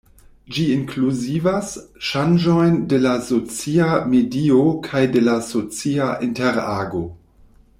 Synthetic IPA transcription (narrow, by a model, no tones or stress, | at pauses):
d͡ʒiiŋkluzivasʃand͡ʒo̞jnde̞laso̞t͡siamediokʰajde̞laso̞t͡siaʔinteɾaːɡo̞